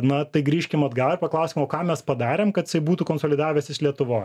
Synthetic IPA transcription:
nɐt̪ɐɪɡɾʲiːʃʲkʲɪmɐd̪ɡɑlɪɾpɐklˠɐʊsʲiːmoːkɑːmʲɛspɐd̪ɑːɾʲeːmkɐt̪ɪsʲɐɪbuːt̪uːkoːnsoːlʲɪd̪ɑːʋʲɛsʲɪʃlʲiɛt̪ʊʋoːj

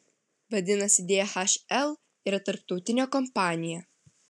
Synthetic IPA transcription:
ʋɐd̪ʲɪnɐsʲɪd̪ʲeːɛxɐʃɛlˠ | iɾɐt̪ɐɾpt̪ɒʊt̪ʲɪnʲoːkɔmpɑːnʲɪjɛ

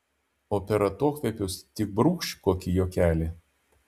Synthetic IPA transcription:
oːpʲɛɾɐt̪uɔkʋʲɛpʲʊʊst̪ʲɪk̚bɾuːkʃʲkoːkʲijoːkʲæːlʲi

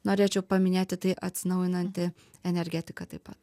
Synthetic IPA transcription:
noːɾʲeːt͡ʃʲɛʊpɐmʲɪnʲeːt̪ʲɪt̪ɐɪʔɐt̪ʲsʲɪnɐʊjɪnɐnʲt̪ʲɪ | ɛnʲɛɾʲɡʲɛt̪ʲɪkɐt̪ɐɪpɐt̪

